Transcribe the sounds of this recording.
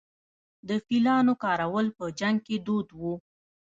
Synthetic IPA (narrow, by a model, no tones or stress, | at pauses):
d̪əfilɑnokɑɾawəlpəd͡ʒaŋɡ̚ked̪od̪wu